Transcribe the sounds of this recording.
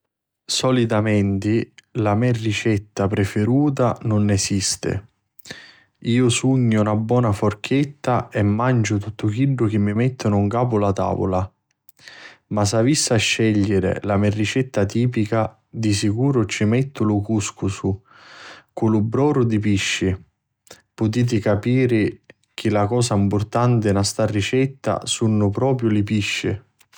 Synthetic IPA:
sɔlit̪amɛnt̪ilamɛrːit͡ʃɛt̪ːapɾefeɾuːt̪̬anʊnːɛsist̪ɪ̰ | iːʊsuɲːʊunabːwɔːnafʊrk̟ʰɛt̪ːaɛmːand͡ʒʊt̪ut̪ːʊk̟iɖːʊk̟ɪmːimɛt̪ːʊnʊuŋkaːpʊlat̪a̰ːvʊ̰la | masavisːaʃːɛʎːɪɾɪ̰lamɛrːit͡ʃɛt̪ːat̪iːp̬ika | d̪isikuːɾʊt͡ʃimɛt̪ːʊlʊkuskʊsʊ | kulʊbːɾɔːɾʊd̪ipiʃːɪ | pʊt̪̬iːt̪̬ɪkapiːɾɪ | k̟ʰɪlakɔːsaimpʊrt̪ant̪ɪnast̪arːit͡ʃɛt̪ːa̰sunːʊpɾɔːpɾjʊlɪpiʃːɪ̰

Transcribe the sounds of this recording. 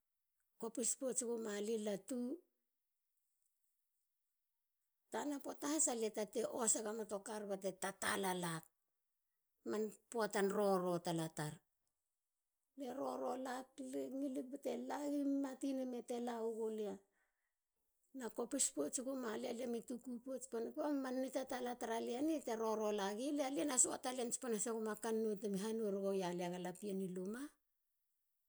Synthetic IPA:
ko̞pispot͡ʃikumalilatu | tanapotaasaletateʔo̞seɡamato̞kaɾbate̞tatalalat̚ | manpoatanɾo̞ɾo̞talataɾ | le̞ɾo̞ɾo̞lakleŋilibetelaɡimmatinemete̞lauɡolea | nako̞pispot͡ʃikumalialiamitukupot͡ʃponipuamanːitatalataɾalianiteɾo̞ɾo̞laɡilealianasoa̰taliant͡ʃpanasakumakanːutemiɦanueɾoɡojaleaɡalapianiluma

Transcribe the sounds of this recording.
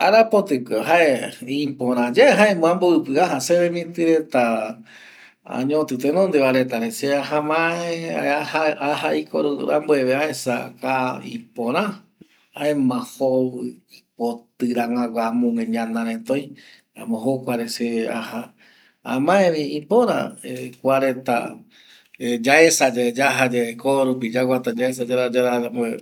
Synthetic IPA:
aɾapot̪ɨkeɦaeĩpõɾ̃ãd͡ʒaeɦaemõãmboɨpɨaɦaseβemĩt̪ɨɾet̪a | a̰ɲõt̪ɨt̪enõnd̪eʋaɾet̪aɾeseaɦamãeaahaahaikoɾua̰mbueβeaesa̰kaḭ̃põɾ̃ã | aemãhoip̚ot̪ɨɾaŋãɡʷamũŋẽɲãnãɾẽt̪oj | a̰mõɦokʷaɾesea̰ha | a̰mãẽʋiipõɾã̰ekʷaɾet̪a̰ | ed͡ʒaesad͡ʒed͡ʒaɦad͡ʒeekoɾup̬id͡ʒaɡʷat̪ad͡ʒaesad͡ʒaɾad͡ʒaɾaambe

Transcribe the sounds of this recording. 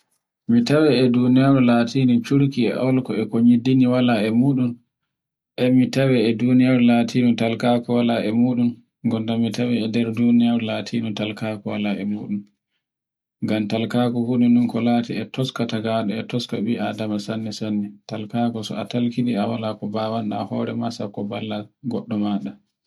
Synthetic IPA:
mitawɛɛdunijaɾulatʰinit͡ʃuɾkiɛ̰ʔɔlkɔɛkoɲidiniwalaɛmuːɗum | ʔɛmitawɛɛdunijaɾulatʰiːnɔtalkaːkɔwalaʔɛmuːɗum | ɡɔndamitawɛːdɛɾdunijaɾulaːtʰinɔtalkakɔwalaʔɛ̰muːɗum | ŋɡamtalkaːkɔhuɗunɗunkɔlaːtiɛtɔskataɡaɗɔɛtɔskaɓiʔadamasanːisanːɛtalkaːkɔsɔ̰atalkiɗiawalakɔbaːwanɗa̰hɔɾɛmasakːɔbalːaɡɔɗːɔmaɗa

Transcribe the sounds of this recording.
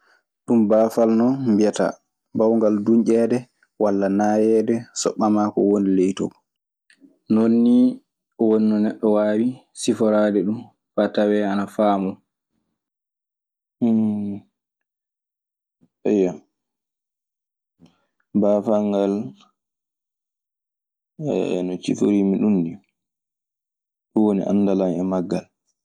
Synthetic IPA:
ɗumbaːfalnɔmbiata̰ | bawŋɡaldunʔɛːdɛ | walːanaːjɛdɛsɔ̰ɓːamakɔwonilejtɔ̰ | nonːi | ɔwonnɔnɛɗːɔwaːwi | sifɔɾadɛɗum | fatawɛanafaːmɔ | ɛja | bafaŋɡal | ɛ̰nɔt͡ʃḭfoɾiːmiɗundi | ɗuwonḭʔa̰nːdalamɛmaɡːal

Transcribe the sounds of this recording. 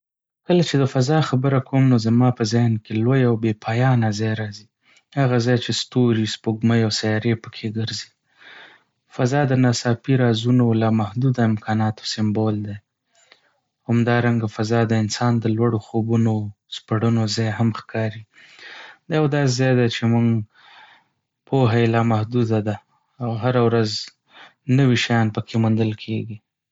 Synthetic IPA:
kəlat͡ʃed̪əfazɑxabəɾakʰomnozamɑpəzɑjnkelojawbepʰɑjɑnazɑjɾɑzi | haɣazɑjt͡ʃest̪oɾispoɡməjawsajɑɾepəkʰeɡəɾzi | fazɑd̪ənasɑpiɾɑzunolɑmahd̪ud̪aɪmkʰɑnɑt̪o̥sɪmbold̪a | hamd̪ɑɾaŋɡafazɑd̪əɪnsɑnd̪əlwaɽoxobuno | spaɽənozɑjɦamxkʰɑɾi | d̪ɑjawd̪ɑsezɑjd̪at͡ʃemuŋɡ | pʰoɦaelɑmahd̪ud̪ad̪aː | wɦaɾawɾaz | nəwiʃajɑnpəkʰemund̪əlkʰeɡi

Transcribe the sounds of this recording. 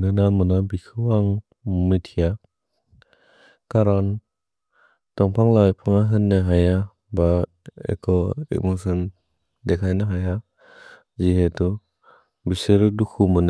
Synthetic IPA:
nɯnamɯnabikʰɯwaŋ | mitʰija | kaɾɔn | tɔŋpʰaŋlajpʰɯŋaɦɯnːɯɦaja | ba | ḛkʰɔɛ̰k̚mɔsɯn | dekʰajnaɦaja | ziɦetu | biseɾɯdukʰumɯn

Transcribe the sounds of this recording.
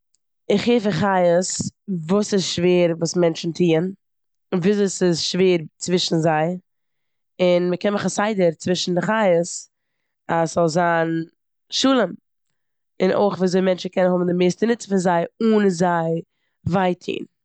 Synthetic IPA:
ɪχheɪfaχajəsvuːsɪsʃveːɾvuːsmɛnt͡ʃn̩tʰiːən | viːzuːsɪsʃveːɾt͡svɪʃn̩zaɪ | ɪnməkɛnməχasaɪdəɾt͡svɪʃn̩dɪχajəs | aszɔlˠzaːn | ʃuːlˠəm | ɪnʔo̰ɪχviːzoɪmɛnt͡ʃn̩kʰɛnənhʊbm̩dɪmeɪstənɪt͡sə̥fɪnzaɪuːnzaɪ | vaɪtʰḭːn

